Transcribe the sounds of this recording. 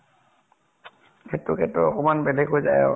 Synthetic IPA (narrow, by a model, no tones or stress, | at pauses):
kɛtʊkɛtʊɔkɔmanbɛlɛɡɦojzajɔ̰